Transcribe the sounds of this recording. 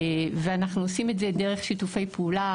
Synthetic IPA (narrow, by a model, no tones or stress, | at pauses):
veanaχnuosimetzedeʁeχʃitufe̞jpula